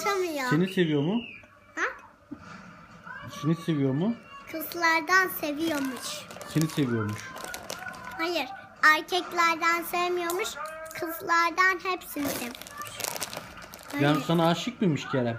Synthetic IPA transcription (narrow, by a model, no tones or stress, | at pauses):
ʃamɯjaenise̞vijo̞mʊ | ha | senise̞vijo̞ɾmʊkʰɯzlˠaɾd̪anse̞vijoɾmuʃse̞nise̞vijo̞ɾmuʃ | hajɯɾ | aɾcʰɛclʲæɾd̪ænsɛvmijo̞ɾmuʃkʰɯzlˠaɾd̪anhɛpsinisevʃ | bænsanaːʃɯk̚bimiʃcʰeɾɛ